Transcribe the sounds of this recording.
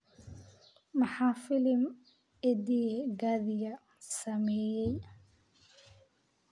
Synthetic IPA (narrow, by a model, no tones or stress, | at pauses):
mɐħɑːfɪlɪm | ɛd̪iɡaːðɪjɐ | sɐmɛːjɛj